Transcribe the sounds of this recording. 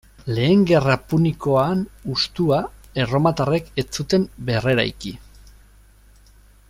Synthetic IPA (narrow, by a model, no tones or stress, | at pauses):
le̞ːŋɡe̞rapuniko̞anust̪uae̞ro̞mat̪are̞ke̞t͡sut̪e̞mbe̞re̞ɾa̰jki